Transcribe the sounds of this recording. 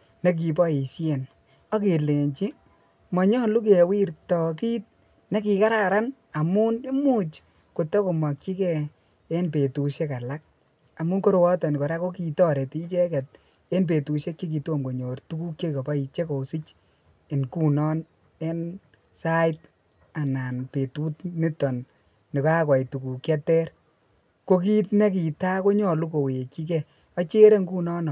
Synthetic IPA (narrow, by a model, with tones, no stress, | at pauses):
ne˦k̬i˨pɔ˦i˨sje˨n | ɔ˦ke˨le˨ɲt͡ʃi˦ | mɔ˨ɲɔ˦lu˦k̬e˨wi˦ɾtɔ˨ki˦t̚ | ne˦ki˨ka˦ɾa˨ɾa˦n | a˨mu˦nɪ˦mu˦t͡ʃ | ko˨tɔ˦ko˨ma˨kt͡ʃi˦kɛ˦ | e˦npe˨tu˨ʃe˦ka˨la˦k̚ | a˨mu˦nko˦ɾwɔ˦tɔ˨n˨ko˨ɾa˦ko˦ki˨tɔ˦ɾe˨ti˦t͡ʃe˦kɛ˨t̚ | e˦np̬e˨tu˨ʃe˦kːe˦k̬i˨to˦˨mko˨ɲo˨rtu˦ku˦kːe˦kɔ˨pa˦i˨t͡ʃe˦ko˨si˦t͡ʃ | e˨nku˦nɔ˦n | e˦n | sa˦ɪt̚ | a˨na˨npe˨tu˦tni˦tɔ˨nː | i˨kɔ˦a˦kwa˨jtu˨ku˨kjɛ˦tɛ˦ɾ | ko˦k̬i˦tne˦k̬i˨ta˦ko˦ɲɔ˨lu˦ko˨we˨ki˦k̬ɛ˦˨ | ɔ˦t͡ʃe˦ɾe˦ŋɡu˦nɔ˦nɔ˨